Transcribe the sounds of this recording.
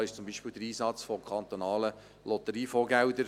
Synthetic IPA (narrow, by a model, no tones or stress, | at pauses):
ɪʃt͡sʊmbiʃpɪːld̪əɾiːsɑt͡sfɔkʰɑnt̪onɑːlə | lɔt̪əɾiːfoːɡæwd̪əɾ